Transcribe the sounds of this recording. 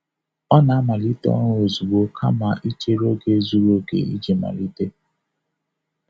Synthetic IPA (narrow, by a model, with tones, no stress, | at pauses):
ɔ˦na˨a˦ma˨li˦te˦ɔ̰˦ŋ˦o˨zu˨ɡ͡bo˨kʰa̰˦ma˨ʔi˦t͡ʃe˦ɾo˦ɡe˦zu˦ɾo˦ɡḛ˨ḭ˦d͡ʒi˨ma̰˨li˦te˦